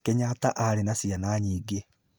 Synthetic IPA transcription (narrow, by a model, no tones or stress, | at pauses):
kɛɲataʔaɾenasianaːɲiːɡe